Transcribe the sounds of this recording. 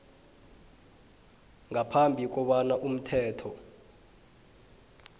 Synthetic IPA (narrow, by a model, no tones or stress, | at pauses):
ŋapʰambʱik̬ɔɓanaʔum̩tʰɛːtʰɔ